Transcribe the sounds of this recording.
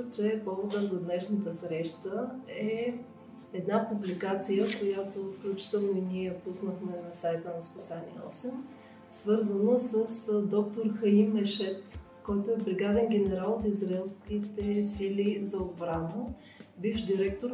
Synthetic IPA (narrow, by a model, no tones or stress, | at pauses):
t͡ʃɛpɔvod̪əzɐd̪nɛʃnət̪əsɾɛʃt̪əɛ | ɛd̪napublikat̪sijəkojat̪ofklʲut͡ʃi̥t̪ɛlˠnoiniɛpusnəxmɛnɐsajt̪ənɐspisanḭɛ̰ɔ̰sɛm | svɤɾzənəsəsd̪ɔk̚t̪oɾxɐimɛʃɛt̪ | kɔjt̪oɛbɾiɡad̪ɛnɡ̟ʲɛnɛɾalˠot̪izɾaɛlˠskit̪ɛsilʲizɐod̪bɾanə | bifd̪iɾɛk̚t̪oɾ